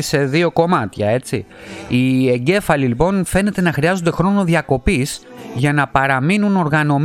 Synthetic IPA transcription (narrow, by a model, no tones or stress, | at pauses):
se̞ðio̞ko̞mɐt̪çɐe̞t͡sḭie̞ɲɟe̞fɐlilipo̞nfe̞ne̞t̪e̞nɐxɾiɐzod̪e̞xɾo̞no̞ðjɐko̞pisʝɐnɐpɐɾɐminuno̞ɾɣɐno̞m